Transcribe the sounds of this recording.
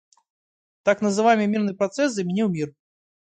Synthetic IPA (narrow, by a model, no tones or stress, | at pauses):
t̪aknɐzɨvajmɐmʲirnɨpɾat̪sɛszɐmʲɛnʲiwmʲir